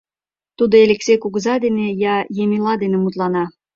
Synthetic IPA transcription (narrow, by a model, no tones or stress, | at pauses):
t̪ud̪oelʲeksejkuɣəzɑd̪enejɑjemʲilɑd̪enemut̪lɑnɑ